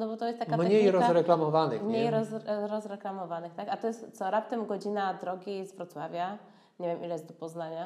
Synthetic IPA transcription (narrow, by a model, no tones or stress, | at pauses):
nɔbɔt̪ɔjɛst̪ːakamɲɲejjɾɔzɾɛklamɔvanɘ̰xmɲɲejɾɔzɾɔzɾɛklamɔvanɘxt̪akat̪ɔjɛst̪t̪sɔɾap̚t̪ɛmɡɔd͡ʑinad̪ɾɔɡʲizvɾɔt̪swavʲja | ɲevʲjɛmʔḭlɛjɛst̪d̪ɔpɔznaɲa